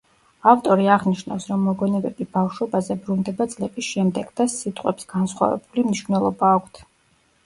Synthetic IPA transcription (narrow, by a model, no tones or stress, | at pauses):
aft̪ʼɔɾiaʁniʃna̰fsɾɔmːɔɡɔnɛbɛbibafʃwɛbazɛbɾund̪ɛbat̪sʼlɛpʼisʃɛmd̪ɛɡ̥d̪asit̪ʼqʼwɛpsɡ̥ansχwa̰vɛ̰bulimniʃvnɛlˠɔbaːkʷʰt̪ʰ